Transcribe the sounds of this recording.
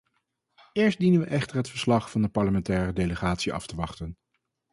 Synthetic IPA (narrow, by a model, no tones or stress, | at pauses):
ɪːɹsdinənʋəʔɛχtəɹɦətfəɹslɑχfɑndəpɑɹləmɛntɛːrədeləχaːtsiɑ̰ftəʋɑχtən